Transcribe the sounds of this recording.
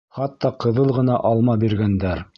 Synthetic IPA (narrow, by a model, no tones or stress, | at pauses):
χɑt̪ːɑqɤ̆ðɤlˠʁɤ̆nɑʔɑlˠmɑbiɾɡænd̪æɾ